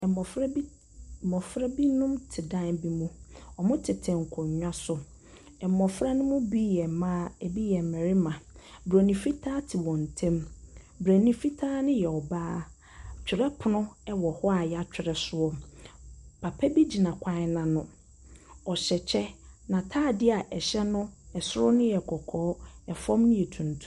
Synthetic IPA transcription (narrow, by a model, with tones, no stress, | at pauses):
mɔ˨fɾ | mɔ̃˨fɾɛ˦bi˦nʊ̃˦mtʰɪ˨dã˦n˦bi˦mũ˦ɔ˨mʊ̃˦tʰɪ˨tʰɛ̃˨ŋ̩˨kʰɔ̃˨ɲɲᶣã˦sʊ˨ | ɛ˨mɔ˨fɾa˦nʊ̃˦mʊ̃˦bi˦jɛ˨mã˦ɛ˨bi˦jɛ˨mɛ̃˨ɾɪ˦mã˨bɾæ˨nĩ˨fi˦tʰaː˦tʰɪ˨wɔ̃˨n̩˨tʰɛ̃˦m | bɾæ˨nĩ˨fi˦tʰaː˦nɪ̃˦jɛ˨ɔ˨baː˦ | t͡ɕᶣɪ˨ɾɛ˦pʰʊ˨nʊ̃˦ɛ˦wɔ˨hɔ˦a˨ja˦t͡ɕᶣɪ˨ɾɛ˨sʊ˦ɔ˦ | pʰa˨pʰɛ˦bi˦d͡ʑi˨nã˨kʷʰã˦nã˨nʊ̃˦ | ɔ˨ɕɛ˨t͡ɕʰɛ˦nã˨tʰaː˦˨dɪ˦a˨ʔɛ˨ɕɛ˦nʊ̃˦ɛ˨sʊ˦ɾʊ˦nʊ̃˦jɛ˨kʰɔ˨kʰɔː˨˦ɛ˨fɔ̃˦mnʊ̃˦ɛ˨tʰũ˨n˨tʰũ̥˨˦